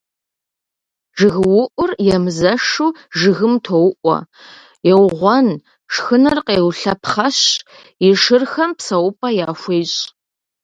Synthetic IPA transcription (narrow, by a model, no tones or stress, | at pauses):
ʒɨɣɨwʊʔʷʊrjɛmzɐʂuːʒɨɣɨmtʰowʊʔʷɔ̰ | jɛwʁʷɔn | ʂxɨnɐrqeːwɬɐpχɐɕ | ɪʂɨrxɐmpsɐwʊpʼɐjaːxʷeːɕʼ